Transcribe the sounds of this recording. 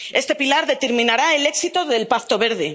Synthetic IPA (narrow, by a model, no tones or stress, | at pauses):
e̞st̪e̞pilaɾðe̞t̪e̞ɾmĩnaɾae̞le̞ksit̪oðe̞lpaθt̪oβe̞ɾð̞e̞